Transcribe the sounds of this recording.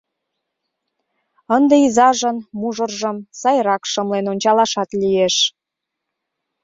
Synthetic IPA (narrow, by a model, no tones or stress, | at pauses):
ənd̪eizɑʒənmuʒə̆rʒə̆msɑjɾɑkʃəmlenonʲt͡ɕɑlɑʃɑt̪lijeʃ